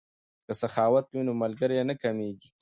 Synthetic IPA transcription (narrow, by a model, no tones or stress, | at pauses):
kəsaxɑːwat̪winomalɡəɾjenəkameɡi